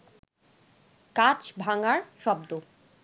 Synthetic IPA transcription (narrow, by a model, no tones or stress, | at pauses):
kat͡ɕbʱaŋaɾʃɔbd̪o